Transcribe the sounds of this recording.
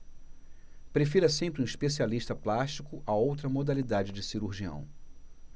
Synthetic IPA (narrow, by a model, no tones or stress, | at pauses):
pɾefiɾɐsẽmpɾũiʃpesialiʃt̪ɐplaʃt͡ʃikʊʔaowt̪ɾɐmod̪alid̪ad͡ʒɪd͡ʒɪsiɾuɾʒiɐ̰̃w̃